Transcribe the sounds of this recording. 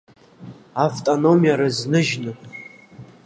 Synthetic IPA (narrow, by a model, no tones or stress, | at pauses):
avtʼonomijaɾɨznɨʒnɨ